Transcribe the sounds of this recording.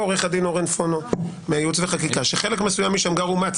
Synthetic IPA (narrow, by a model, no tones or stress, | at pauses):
oʁeχad̪inoʁenfono | meajutveχakikaʃeχelekme̞sujamːiʃamɡaʁumat͡s